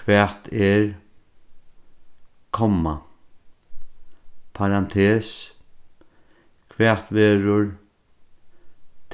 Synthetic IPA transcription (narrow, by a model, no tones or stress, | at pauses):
kʰʋɛːt̪ʰɛɾ | kʰɔma | pʰaɾant̪ʰeːs | kʰʋɛːt̪ʋɛːɾʊɹ | t̪ʰ